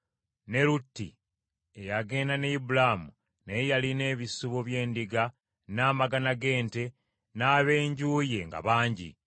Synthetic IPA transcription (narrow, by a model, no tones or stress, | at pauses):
ne̞lutːḭ | ejaɡe̞ːndaneibulamu | nejaline̞ːβisuβoβje̞ːndiɡa | naːmaɡanaɡe̞ːnte̞ | naːβe̞ːɲɟuːje̞ŋɡa̰βaːɲɟḭ